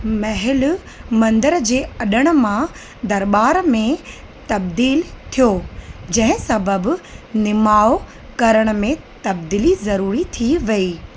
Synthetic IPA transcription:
mɐɦɪlʊ | mɐ̃nd̪əɾd͡ʑeːɐɗəɽ̃ʊ̆mã | d̪ɐɾɓaːɾmẽ | t̪ɐb̚d̪iːlt̪ʰijoːd͡ʑɐ̃ɦɪ̃sɐbəbnɪmaːo | kɐɾəɽ̃ə̆mẽ | t̪ɐb̚d̪iːlizɐɾuːɾit̪ʰiʋɐiː

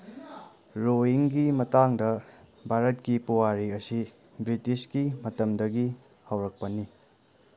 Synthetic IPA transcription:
ɾoɦiŋɡimɐtaŋdɐbʱaɾɐtkipuwaɾiɐsi | bɾitiskimɐtɐmdɐɡi | hɐwɾɐk̚pɐni

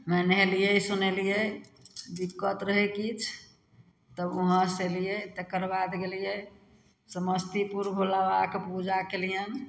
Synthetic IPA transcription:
mɛnɦelijeisunelije | bikːət̪ɾəɦekit͡ʃʰ | t̪əbuɦə̃selijet̪əkəɾbad̪ɡelije | səməst̪ipuɾbʱolabakepud͡ʒakelijəm

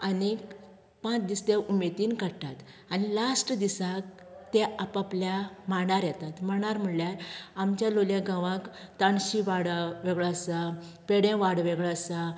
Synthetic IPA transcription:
ani | pãt͡sd̪ist̪eʔumet̪iːnkəɽt̪at̪ | anilasʈəd̪isak̚ | t̪eapapljamaɳaɾjɛt̪at̪m̤əɳ̃aɾm̤əɭljaɾamt͡ɕjaloljãɡaʋãkt̪aɳɕiʋaɽʋeɡɭasa | peɽjãʋaɽʋeɡɭasa

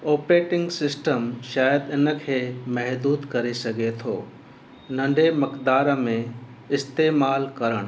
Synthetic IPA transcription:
oːpɾeːʈɪ̃ŋɡsɪsʈəmʃaːjəd̪ɪnə̆kʰeːmɛɦd̪uːd̪kɐɾesɐɡet̪ʰoː | nɐ̃ɳɖemɐkd̪aːɾəmẽ | ɪst̪eːmaːlkɐɾəɽ̃

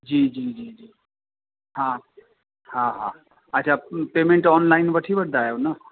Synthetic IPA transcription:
d͡ʑiːd͡ʒiːd͡ʒiːd͡ʒiː | ɦã | hãɦã | ətːt͡ʃʰapeːmẽɳʈɔːnlaːɪnʋəʈʰiʋəʈ̚d̪aːjawna

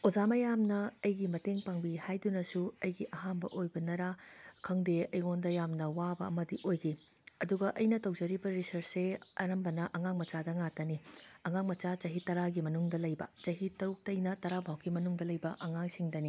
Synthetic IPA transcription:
od͡ʒamɐjamnɐɐjɡimɐteŋpaŋbihajdunɐsuɐjɡiʔɐɦanbɐ̰ʔojbɐnɐɾakʰɐŋdeɐjŋondɐjamnɐwabɐ̰ːmɐdiʔojɡi | ɐduɡɐʔɐjnɐtɐwd͡ʒɐɾibɐɾisɐɾseɐɾɐmbɐnɐʔɐŋaŋmɐt͡ʃadɐŋatɐniɐŋaŋmɐt͡ʃat͡ʃɐɦitɐɾaɡimɐnuŋdɐlɐjbɐ̰t͡ʃɐɦitɐuk̚tɐjnɐtɐɾabʱawkimɐnuŋdɐlɐjbɐʔɐŋaŋsiŋdɐni

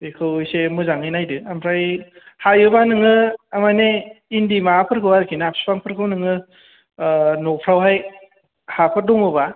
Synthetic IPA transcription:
ekʰɯwsemɯzaŋɯjnajdɯampʰɾaj | hajɯbanɯŋɯamajneindimapʰɯɾkʰɯwaɾkʰinapʰspʰaŋpʰɯɾkʰɯwnɯŋɯ | nopʰɾawɦaj | hapʰɯɾ̚dɔŋɯba

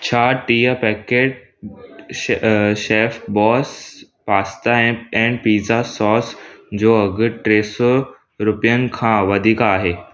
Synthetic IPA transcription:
t͡ɕʰaʈijəpɛkeʈ̚ | ɕefʈbɔs | past̪aɛ̃ɛ̃ɳɖpid͡zasɔsd͡ʑoəɡəʈɾeso | ɾupjənkʰãʋəd̪ʱikaːɦe

